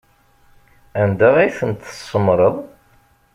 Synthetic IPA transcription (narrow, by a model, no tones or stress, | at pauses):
ænd̪æʁæjθənt̪ːə̥sˤːəmɾˤəðˤ